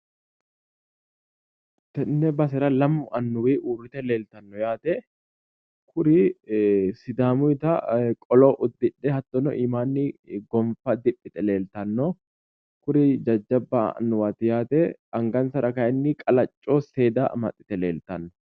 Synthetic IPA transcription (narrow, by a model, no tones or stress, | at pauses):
t̪ɛnːɛbɐs̬ɛɾɐlɐmːʊɐnːʊwiːʔuːrɪt̪ɛleːlt̪ɐnːɔjaːt̪ɛ | kʰʊɾɪ | sɪd̪aːmʊɪt̪ɐkʼɔloːʔʊd̪ːɪᶑːɛhɐt̪ːɔnɔ̰ʔiːmaːnːɪɡɔɱfɐd̪ɪpʼːɪt̪ʼɛle̞ːlt̪ɐnːɔ | kʊɾɪd͡ʒɐd͡ʒːɐbːa̰ɐ̰nːʊwaːt̪ɪjaːt̪ɛɐŋɡɐnsɐɾɐkɐjɛnːɪkʼɐlɐt͡ʃʼːoːse̞ːd̪a̰ːmɐ̰t̪ʼːɪ̥t̪ɛle̞̰ːlt̪ɐnːɔ̥